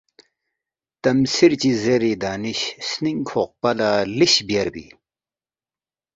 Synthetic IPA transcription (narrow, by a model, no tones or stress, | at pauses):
t̪ɐmsiɾt͡ɕizeɾid̪aːniɕsniŋkʰoq̚pɐlaliɕbjɐɾbḭ